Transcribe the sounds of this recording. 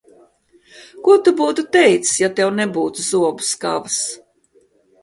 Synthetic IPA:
kuɔt̪ubuːt̪ut̪ɛjt̪sjat̪ɛwnɛbuːt̪uzuɔbu̥ska̰vas

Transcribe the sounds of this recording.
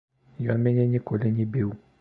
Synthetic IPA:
jɔamɛ̃ɲɛ̃ɲĩkoleɲĩbewu

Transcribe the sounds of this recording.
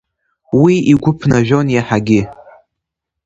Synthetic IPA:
wiiɡʷʊpʰnaʒᶣonjaħaɡʲɪ

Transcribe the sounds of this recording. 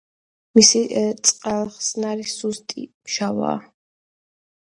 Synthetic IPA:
misit̪sʼqʼɛlˠχsnaɾisust̪ʼḭmʃava̰ː

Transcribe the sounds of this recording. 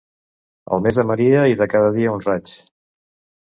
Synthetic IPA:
ə̰lˠmezðəməɾiəiðəkaðəðiəunrat͡ʃ

